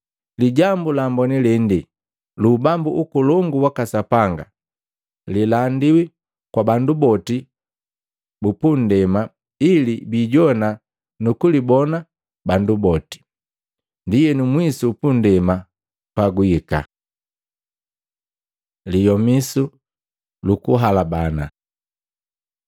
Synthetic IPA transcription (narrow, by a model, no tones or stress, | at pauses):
liɟambulambɔnilɛndi | lubambuʔukulɔŋɡuwakasapaŋɡa̰ | lilandiwi | kwabandubɔti | bupun̩dɛma | ilibiːɟɔna | nukulibɔna | bandubɔti̥ | ndijɛnumwisuːpun̩dɛma | paɡuika̰ | lijɔmisu | lukuɦalabana̰